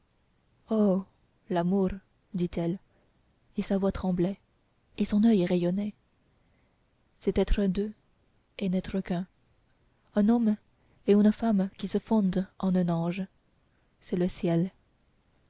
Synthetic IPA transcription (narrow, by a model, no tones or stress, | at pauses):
o | lamuʁ | d̪it̪ɛl | esavwat̪χɑ̃blɛ | esɔ̃nœjʁejɔnɛ | sɛt̪ɛt̪χəd̪ø | enɛt̪χəkɛ̃ | ɛ̃nɔm | eynfamkʲisəfɔ̃d̪ɑ̃nœ̃nɑ̃ʒ | sɛləsjɛl